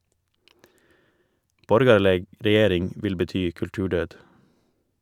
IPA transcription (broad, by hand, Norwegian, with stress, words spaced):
ˈbɔɾɡɑɭəɡ ɾɛˈjeːɾɪŋ ˈʋɪl bəˈtyː kʉlˈtʉːˌɖœd